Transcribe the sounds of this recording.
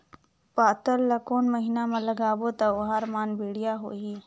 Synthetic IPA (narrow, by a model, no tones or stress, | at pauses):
paːt̪əllɐkoːnmɐɦinamãlɐɡaːbot̪aʊɦaːɾmaːnbiːɽijaɦo̰ːɦiː